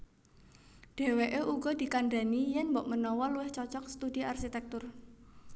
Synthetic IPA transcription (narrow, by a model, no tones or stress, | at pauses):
ɖ̥e̤weʔeʔuɡ̥ɔ̤d̪̥i̤kanɖanijɛnmbɔʔmənɔwɔluwɪht͡ʃɔt͡ʃɔksə̥t̪udiʔarʃit̪ɛk̚t̪ʊr